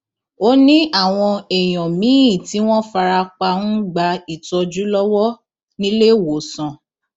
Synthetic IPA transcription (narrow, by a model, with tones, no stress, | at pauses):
o˦nĩ˦ʔa˦˨w̃ɔ̃˧ɛ˨j̃ɔ̃˨mĩ˨˦ĩ˦˨ti˨˦w̃ɔ̃˦fa˧ɾa˧k͡pa˧nũ˦ɡ͡ba˧i˨tɔ˧d͡ʒu˦lɔ˦wɔ˦ | nĩ˦le˦˨wo˨sɔ̃˨